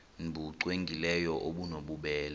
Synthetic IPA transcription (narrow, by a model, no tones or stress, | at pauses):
nbuǀweŋɡʱilɛjɔʔoɓunoɓuɓɛːl